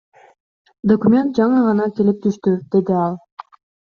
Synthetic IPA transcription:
d̪okumʲe̞nt̪̚d͡ʒɑɴɯʁɑnɑk̪ʲelep̚t̪ʰyʃt̪yd̪̥e̞d̪iɑlˠ

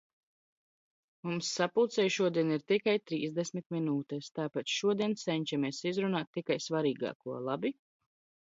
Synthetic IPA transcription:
mumsːapuːt̪sɛjʃuɔd̪iɛniɾt̪ikajt̪ɾiːzd̪ɛsmit̪̚minuːt̪ɛst̪aːpat̪ʃuɔd̪iɛnssɛɲʲt͡ʃameɛsizɾunaːt̪ːikajsvaɾiːɡa̰ːkuɔlˠabi

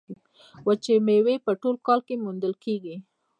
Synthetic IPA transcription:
wət͡ʃemewepəʈolkɑlkemund̪əlkeɡi

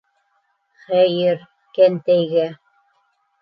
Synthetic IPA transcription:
χæjɘɾ | kænt̪æjɣæ

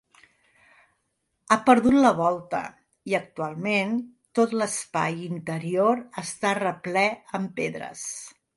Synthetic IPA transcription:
apəɾðut̪ləβ̞ɔlˠt̪ə̰ | iək̚t̪ualˠmen | t̪ot̪ləspa̰jint̪əɾioɾəst̪arəplɛəmpeðɾə̰s

